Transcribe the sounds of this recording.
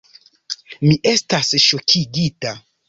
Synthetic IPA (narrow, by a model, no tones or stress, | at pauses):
miʔe̞stasʃo̞kʰiɡita